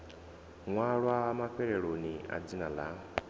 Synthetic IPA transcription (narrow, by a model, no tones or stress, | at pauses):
ŋwaɺwamaɸɛɺɛɺonia̰d͡zinala